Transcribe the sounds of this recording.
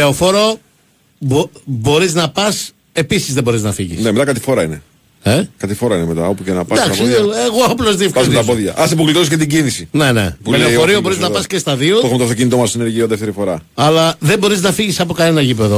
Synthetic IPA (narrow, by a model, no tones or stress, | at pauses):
eofo̞ɾo | bobo̞ɾiznɐpɐs | e̞pisizðebo̞ɾiznɐfiʝḭsnemet̪akɐt̪i̥fo̞ɾɐine | ekɐt̪ifo̞ɾɐinemet̪ɐ̰opucenɐpɐd̪ɐksieɣoɐplozðiefkɐzsmitɐpoðʝɐ̰ʔɐsipuɣlit̪ois̬cet̪̬iɟinisine̞ne̞̰pumeleooɾiobo̞ɾiznɐpɐscest̪ɐðioexumt̪oɐft̪oc̬init̪omɐsineɾʝioðeft̪eɾifo̞ɾɐɐlɐðe̞bo̞ɾiznɐfiʝisɐpo̞kɐne̞nɐʝipeðo